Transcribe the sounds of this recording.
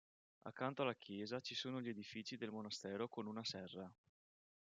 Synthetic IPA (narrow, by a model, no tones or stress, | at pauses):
a̰kːant̪oalːak̟ʰjɛːzat͡ʃisoːnoʎied̪ifiːt͡ʃid̪elmonast̪ɛːɾokonunasɛrːa